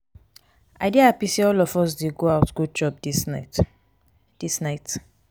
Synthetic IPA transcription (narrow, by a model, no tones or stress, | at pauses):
a̰ɪdiaapiseɔlɔfɔs̬deɡoaʊtɡ̥od͡ʒɔp̚is | d̥isnaɪt